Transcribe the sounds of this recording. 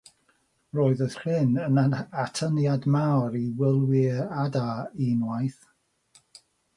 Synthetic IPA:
roːɨðəðrɪnənatʰənjadmawɾiwɪlˠwɪadainwajθ

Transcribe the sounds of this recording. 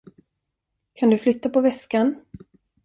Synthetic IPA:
kʰand̪ɵflʏt̪ːapɔvɛskan

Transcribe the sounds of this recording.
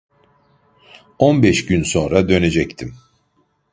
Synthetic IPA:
onbɛʃɟynso̞nɾad̪ø̞ne̞d͡ʒɛct̪ʰim

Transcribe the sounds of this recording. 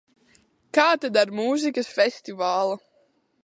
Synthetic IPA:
kaːt̪ad̪aɾmuːzikɐsfʲɛsʲt̪ivaːlˠu

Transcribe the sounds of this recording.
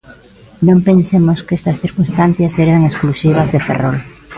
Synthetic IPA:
nõmpensemoskest̪ɐsθiɾkunst̪an̟θjɐsːeɾɐŋesklusiβ̞ɐzðefḛrol

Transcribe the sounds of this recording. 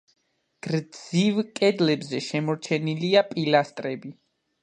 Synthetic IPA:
ɡ̥ɾd̪z̥ivkʼɛd̪lɛbzɛʃɛmɔɾt͡ʃʰɛniliapʼilast̪ʼɾɛbi

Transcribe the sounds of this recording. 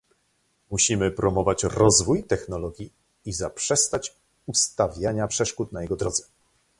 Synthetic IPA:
muɕimɘpɾɔmɔvat͡ɕɾɔzvujt̪ɛxnɔlɔɡʲji | izapʂɛst̪at͡ɕ | ust̪avʲjaɲapʂɛʂkut̪najɛɡɔd̪ɾɔd̪zɛ̥

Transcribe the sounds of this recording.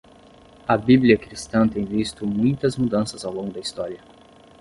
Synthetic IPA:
ɐbibliɐkɾist̪ɐ̃t̪ẽj̃vist̪ʊmũj̃t̪ɐzmud̪ɐ̃sɐzawlõŋɡʊd̪ɐist̪ɔɾiɐ

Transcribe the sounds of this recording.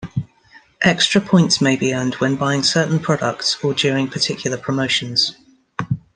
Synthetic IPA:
ʔɛkstɹ̥əpʰɔ̃ɪ̃ntsmeɪbiə̃ndwə̃nbaɪɪ̃ŋsɜˑʔn̩pʰɹ̥ɒdək̚tsəd͡ʒɔːɹɪ̃ŋpʰətʰɪkʰjl̩ˠəpʰɹ̥əməʊʃə̃nz̥

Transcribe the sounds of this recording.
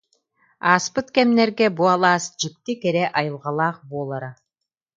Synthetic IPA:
aːspɯt̪kɛmnɛɾɡɛbualˠaːsd͡ʒɯk̚t̪ikɛɾɛʔɑjɯlˠʁɑlˠaːχbuɔːlˠaɾa

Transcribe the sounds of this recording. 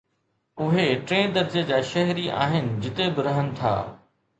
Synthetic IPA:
ʊɦeʈɾẽːd̪ɐɾd͡ʑəd͡ʑaːʃɐɦɾiʔa̰ːɦɪnɪ̆d͡ʑɪt̪ebɪɾɐɦənɪ̆t̪ʰa̰ː

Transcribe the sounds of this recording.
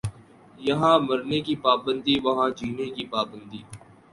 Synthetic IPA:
jəɦãːməɾneːkiːpaːbənd̪iːʋəɦãːd͡ʒiːneːkiːpaːbə̃nd̪iː

